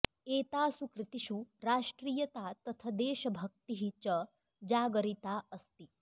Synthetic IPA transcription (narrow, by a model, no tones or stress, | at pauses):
eːt̪aːsukɾɪt̪iʃuɾaːʃʈɾiːjət̪at̪ɐt̪ʰɐd̪eːʃɐbʱək̚t̪iɦit͡ʃə | d͡ʒaːɡəɾit̪aəst̪i